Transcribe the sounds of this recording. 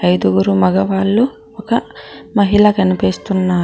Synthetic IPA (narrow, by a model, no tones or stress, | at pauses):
ɐjd̪uɡuɾumɐɡɐʋaːɭːu | ɔkɐmɐɦilɐkɐnipiːst̪unːaː